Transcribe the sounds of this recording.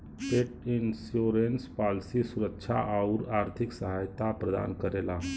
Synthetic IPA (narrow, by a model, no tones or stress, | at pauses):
heʈinsjoɾenspalsisuɾəkʃʰa̰ʔauɾaɾt̪ʰiksəɦajt̪apɾəd̪a̰nkəɾela